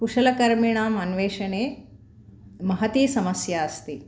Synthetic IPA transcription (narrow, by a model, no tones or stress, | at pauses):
kuʂɐlɐkɐɾmiɳaːmɐnʋeːʃɐneː | mɐɦɐt̪iːsɐmɐsjaːɐst̪i